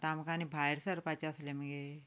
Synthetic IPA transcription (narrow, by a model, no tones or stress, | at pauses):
t̪amkanibʱajɾsəɾpat͡ɕaəsleməɡe